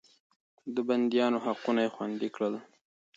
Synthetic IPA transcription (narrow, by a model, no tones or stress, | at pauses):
d̪əband̪jɑnoɦaqunajexwand̪ikɽəl